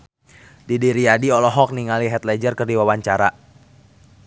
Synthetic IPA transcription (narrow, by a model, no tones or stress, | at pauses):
didiɾiadiɔlɔɦɔk̚niŋaliɦɛt̪lɛd͡ʒərkɨrdiwawaɲt͡ʃaɾa